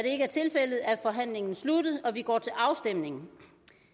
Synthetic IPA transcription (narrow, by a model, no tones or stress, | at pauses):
ɾ̥e̝e̝ɡəæɐt͡sʰe̝lfel̰ð̩ˠæfɒ̽ɦæn̰le̝ŋn̩slud̥ð̩ˠɒ̽ʋiɡ̥ɒ̰ːt͡sʰe̝lʔɑ̈ʊsd̥em̰ne̝ŋn̩